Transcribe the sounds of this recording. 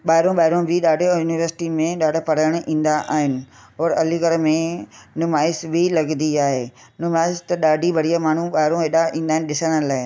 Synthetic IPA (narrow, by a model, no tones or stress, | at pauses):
ɓaːɦɪɾõɓaːɪɾõbʱɪɗaːɖʱjuːnɪʋəɾsɪ̥ʈimẽɗaːɖʱpɐɽaəɽ̃ĩːn̆d̪aʔaːɦɪnɪ̆ɦɔːɾɐliɡəɾmẽnʊmaːɪsbʱɪlɐɡnd̪iaːɦeː | nʊmaːɪst̪ɐɗaːɖʱibʱɐɽijamaːɳ̤uɓaːɪɾõɦeːɗaĩːnd̪aːɦɪ̃nɗɪsəɽ̃əlaːɪ